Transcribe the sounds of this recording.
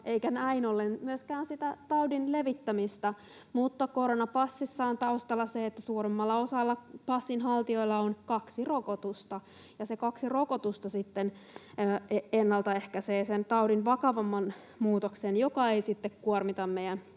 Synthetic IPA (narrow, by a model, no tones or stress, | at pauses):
ʔeikænæinolːenmyøskæːnsit̪æt̪ɑudinleʋit̪ːæmist̪ɑ | mut̪ːɑkoɾonɑpɑsːisːɑont̪ɑust̪ɑlːɑseːt̪ːæsuːɾemːɑlːɑosɑlːɑpɑsːinɦɑlt̪io̞ilːɑonkɑksirokot̪ust̪ɑ | jɑsekɑksirokot̪ust̪ɑsit̪ːenː | eenːɑlt̪ɑehkæseːsent̪ɑudinʋɑkɑʋɑmːɑn | muːt̪oksenjokɑeisit̪ːekkuormit̪ɑmmeijæn